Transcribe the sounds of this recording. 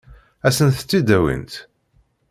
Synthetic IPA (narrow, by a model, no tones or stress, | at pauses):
æsənθət͡sːid̪æwḭnt̪